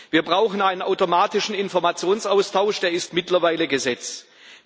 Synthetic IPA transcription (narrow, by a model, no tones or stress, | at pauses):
viːɐbʁaʊxən̩aɪnənʔaʊtomaːtɪʃn̩ɪnfɔɐmat͡sjoːnsʔaʊstʰaʊʃd̥eːɐɪstmɪtlɐvaɪləɡəzɛt͡s